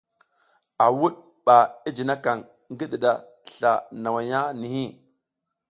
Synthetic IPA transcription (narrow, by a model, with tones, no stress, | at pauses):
a˨wu˦ɗ | ɓa˨i˦d͡ʒi˨na˦ka˨ŋ | ŋɡi˦ɗi˨ɗa˨ | ɬa˨na˨wa˨ja˦ni˨hi˦˨